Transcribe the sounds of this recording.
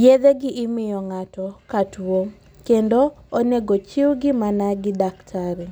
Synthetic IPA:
jed̪eɡɪʔɪmɪjɔŋatɔkatuo | kendooneɡot͡ʃɪwɡɪmanaɡɪdaktʰaɾɛ

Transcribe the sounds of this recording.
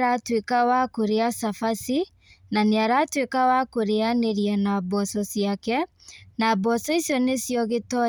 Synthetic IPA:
ɾatwekawakoɾeasafasi | naneaɾatwekawakoɾeaneɾianabɔsɔsjakɛ | nabɔsɔisjɔnesjɔɣetɔ

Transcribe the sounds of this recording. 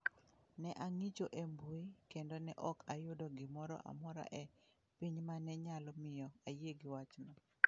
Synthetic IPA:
nɛʔaŋit͡ʃoʔembuikendonɛʔɔkajʊdɔɡɪmɔɾɔ̰ʔa̰mɔɾa̰ʔɛ | piɲmanɛɲalɔmɪjɔajeɡɪwat͡ʃnɔ

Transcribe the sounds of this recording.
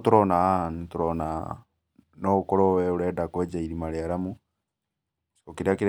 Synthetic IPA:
tuɾonaanituɾona̰ | noukoɾowɛuɾɛːdakweːd͡ʒaiɾimaɾjaɾamu | okiɾiakiɾ

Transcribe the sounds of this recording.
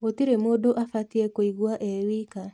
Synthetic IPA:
otiɾemodoʔafatiɛkoiɣwaʔɛwika

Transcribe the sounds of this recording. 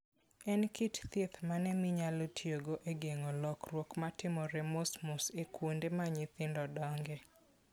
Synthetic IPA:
ɛnkitt̪et̪manɛmɪɲalotʰjoɡoʔeɡeŋolɔkrwokmatɪmɔɾɛmosmʊsekwundemaɲɪt̪ɪndɔdɔŋɡɛ

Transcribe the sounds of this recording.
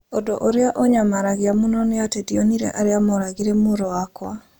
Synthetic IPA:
odoʔɔɾɪaʔɔɲamaɾaɡɪamunɔnɪatedioniɾḛʔaɾɪamɔɾaɡɪɾemʊɾɔakwa

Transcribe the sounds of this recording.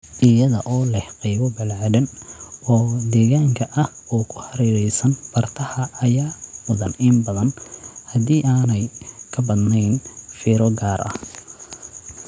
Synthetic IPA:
ʔɪjɐðɐ̰ʔɔːlɛhqijβɔbɐlaːdɐnɔːd̪ɛːɣaːŋkʰɐʔɐh | ɔːkʰʊ̥hɐɾiːɾɛjsɐnb̥ɐrt̪ʰɐhɐːjaːmʊðɐnɪmbɐðɐnhɐd̪iːʔaːnɛjkʰɐbɐd̪nɛjnfiːɾɔɡaːɾʔɐ̰h

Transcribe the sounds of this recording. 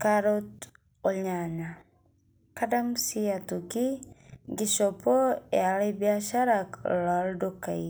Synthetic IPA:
kaɾot | olɲaɲa | kadamsiatukiɡiʃopoealebiaʃaɾaklaldokaj

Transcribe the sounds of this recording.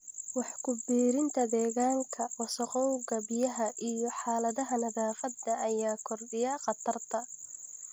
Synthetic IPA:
wɑħkʰʊbiːɾɪnt̪ʰɐd̪ɛːɣaːŋkʰɐwɐsɐqɔwɣɐbɪjɐɦɐʔijɔħɑːlɐðɐɦɐnɐðaːfɐd̪ɐʔɐjaːkʰɔrɖɪjɐqɑt̪ʰɐrt̪ʰɐ

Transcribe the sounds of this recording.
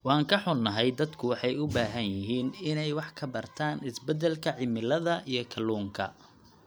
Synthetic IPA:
wɑːŋkʰɐħʊnːɐɦɛjd̪ɐd̪kʰʊwɑħɑjʊbaːɦɐnjɪɦiːnɪnɛjwɑħkʰɐbɐrt̪ʰaːnɪsbɛd̪ɛlkʰɐʕɪmɪlɐðɐʔijɞkʰɐluːŋkʰɐ̰

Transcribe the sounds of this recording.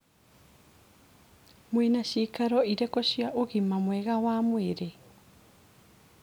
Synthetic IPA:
mwenaɕikaɾɔiɾɛkɔɕjaʔoɣimamwɛɣawamweɾe

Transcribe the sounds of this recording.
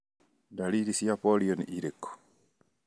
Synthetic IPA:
daliɾisiapolionḭʔiɾekːo̥

